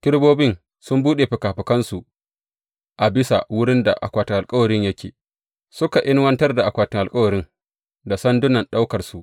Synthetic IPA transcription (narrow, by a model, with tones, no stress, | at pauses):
kʲɪ˦ɽboː˦bɪ˦ŋ | sʊ˦mbuː˦ɗe˨ɸɪ˨kaː˨ɸɪ˨kɐ˦nsu˨ | ʔa˨bɪ˦sa̰˨wʊ˦ɽɪ˦nda̰˨ʔa̰˨kʷaː˨tɪ˨ŋʔa˨kʼɐ˦wɐ˨ɾɪ˦ɲjɐ˦kʲʰḛː˨ | sʊ˦ka˨ʔɪ˦nwɐ˦ntɐ˦rda˨ʔa˨kʷaː˨tɪ˨ŋʔa˨lkʼɐ˦wɐ˨ɾɪ˦ŋ | da˨sɐ˦ndʊ˦nɐ˨nɗa˦wkɐ˨rsu˨ʔ